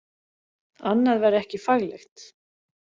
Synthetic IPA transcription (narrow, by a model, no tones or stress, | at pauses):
anːaðvɛɾɛhcɪfajɣlɛ̰xt̪